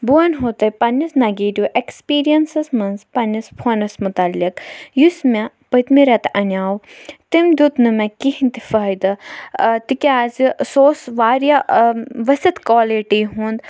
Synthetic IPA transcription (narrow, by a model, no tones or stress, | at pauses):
buɐnɦoːt̪ɐipɐnɐsnɐɡiːdʲjuʔekspiːɾijɐnsɐsmɐnzpɐnːɐspʰːnɐsmʊt̪ɐlːikjusmɛ̃ | pət̪miɾɐt̪ɐnʲaːwt̪imd̪ut̪nɨmɛ̃kihint̪ifɐid̪ɐt̪ikʲaːzsoːsʋaːɾjaʋɐsɐt̪kwaːliʈiɦũːnd̪